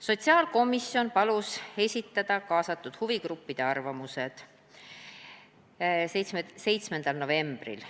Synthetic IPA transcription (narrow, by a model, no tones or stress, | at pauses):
so̞t̪siɑːlko̞misjo̞npɑluse̞sʲit̪ːˑɑd̪̥ɑkɑːsɑt̪ːˑud̪̥huviɡɾupːid̪̥e̞ɑrvɑmuse̞d̪̥ | sesse̞jt̪sme̞nd̪̥ɑlno̞ve̞mb̥rḭl